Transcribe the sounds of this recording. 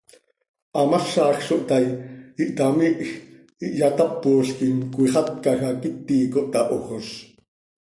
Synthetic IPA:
ʔɑmɑχʃɑːxʃoʔt̪ɑjiʔt̪ɑmiʔx | iʔjat̪ɑpːoːɬkinkʷiχɑt̪̚kɑxɑkit̪ːiːkoʔt̪ɑʔoχos

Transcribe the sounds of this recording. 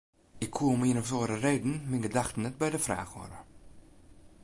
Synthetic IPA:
ɪkʰːwuːɔmiənɔfsoːɾəreːdən̩mɪŋɡədaxtən̩ɛt̚bɛjdəfra̰ːxʋɔ̰ɾə̰

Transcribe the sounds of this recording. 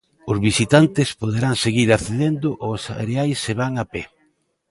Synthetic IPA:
ʊzβisit̪ant̪ɪspoðeɾaŋseɣiɾaθeðend̪ʊʔosa̰ɾeajsːeβaŋapɛ

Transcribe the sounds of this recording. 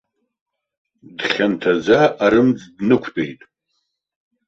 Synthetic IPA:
dχʲantʰazaːɾɨmd͡zdnɨkʷʰtʼejtʼ

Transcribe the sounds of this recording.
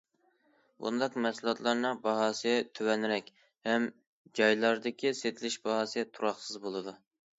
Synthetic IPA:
bṵnd̪ɑqmɛsulˠɑt̪lˠɑɾnɨŋbɑɦɑːsɨjɛt̪ʰøwɛnɾɛkʲ | hɛm | d͡ʒɑjlˠɑɾd̪ɪkʲʰiset̪ʰlɪʃbɑɦɑːsɨɛt̪ʰuɾɑχsɨzbolˠɨd̪u

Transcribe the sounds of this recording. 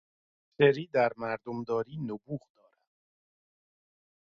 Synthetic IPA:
seɾiːd̪æɾmæɾd̪omd̪ɒːɾiːnobuːɣd̪̥ɒːɾæd̪̥

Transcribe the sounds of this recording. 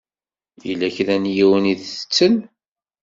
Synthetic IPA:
jəlːæçðænjiwəniðə̥t͡sːən

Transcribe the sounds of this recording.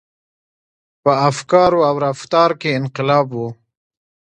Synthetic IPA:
pəafkɑɾoawɾaft̪ɑɾkeɪnqɪlɑːbwu

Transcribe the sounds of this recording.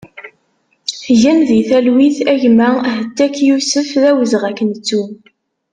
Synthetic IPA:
θʝænðiθælwiθæʝmæhət̪ːækjusəfðæwəzʁækːənt͡sːu

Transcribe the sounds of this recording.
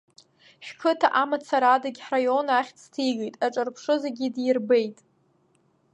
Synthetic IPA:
ʃᶣkʰɨtʰaʔamat͡sʰaɾadaɡʲħrajo̞naχʲt͡sʰtʰiɡejtʼaʈ͡ʂʼarpʰʂɨzeɡʲidirbejtʼ

